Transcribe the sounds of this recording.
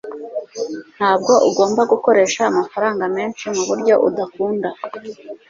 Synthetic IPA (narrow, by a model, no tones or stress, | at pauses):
n̥haːb̚ɡo̞ʔuɡo̞ːmbaɡuko̞ɾe̞ːʃaːmafaɾaːŋɡameːnʃimuβuɾɟo̞ʔṵdakuːnda